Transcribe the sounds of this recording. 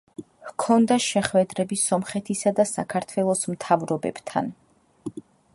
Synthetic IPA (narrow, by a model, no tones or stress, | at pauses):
hkʰɔnd̪aʃɛχwɛd̪ɾɛbisɔmχɛt̪ʰisad̪asakʰaɾt̪ʰwɛlˠɔsmt̪ʰavɾɔbɛ̰b̥t̪ʰa̰n